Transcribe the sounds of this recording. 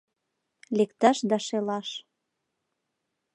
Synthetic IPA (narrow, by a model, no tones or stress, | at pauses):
lekt̪ɑʃd̪ɑʃelɑʃ